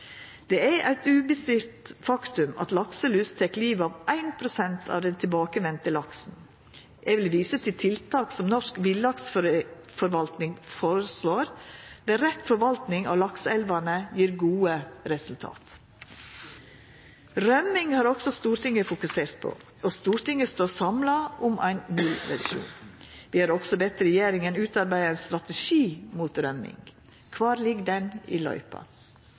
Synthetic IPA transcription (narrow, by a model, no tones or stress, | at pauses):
d̪̥ɛæɾʔæɪt̪ʉːbəst̪ɪɾt̪fɑkt̪ʉmɑ̰t̪lɑksəlʉːst̪ʰɛkliːʋɑʋʔæɪnpʰɾʊsɛnt̪ʰɑ̰ʋd̪ɛnt̪ʰɪlbɑːkəʋɛnt̪əlɑksn̩ | ʔæɪʋɪlʋiːsət̪ʰɪlt̪ʰɪlt̪ʰɑːksɔmnɔʂkʋɪlɑks | fɔɾʋɑlt̪nɪŋfoːɾəsloːɾd̪ɛːɾɛt̪fɔɾʋɑlt̪nɪŋɑ̰ʋlɑksɛlʋɑnəjiːɾɡuːəɾɛsʉlt̪ʰɑ̰ːt̪ | ɾœmɪŋhɑːɾɔɡ̥sɔst̪uːɾʈ̪ɪŋəfʊkʉseːɾt̪̚pʰo̰ | ost̪uːɾt̪ɪŋəst̪oːsɑmlɑʔʊmʔæ̰ɪnnʉlʋɛ̰ɾʂṵːnʋɪːhɑɾɔɡ̥sɔbɛt̪ɾɛjeːɾɪŋənʉːt̪ɑɾbæɪənst̪ɾɑt̪əʃiːmuːt̪ɾœmɪ̰ŋ | kʰʋɑːɾlɪɡd̪ɛnɪ̰lœ̰ʏpɑ̰